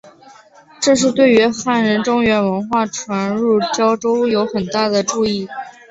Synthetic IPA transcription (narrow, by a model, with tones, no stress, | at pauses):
ʈ͡ʂɤ˥˧ʂ̬ɻ̩˥˧t̪we˥˩ɪy˧˥xa˥˩nɻə˧˥nʈ͡ʂʊ˥ŋɥɛ˧˥nwə˧˥nxwa˥˩ʈ͡ʂʰwa˧˥nɻu˥˩t͡ɕjɑ˥ʊʈ͡ʂo˥ʊjo˧˥ʊxə˨˩nt̪a˥˩d̪ə˩ʈ͡ʂu˥˧i˥˩